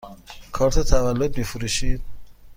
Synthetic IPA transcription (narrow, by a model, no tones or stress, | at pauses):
kʰɒːɾt̪ʰet̪ʰævælːod̪̚miːfuɾuːʃiːd̪̚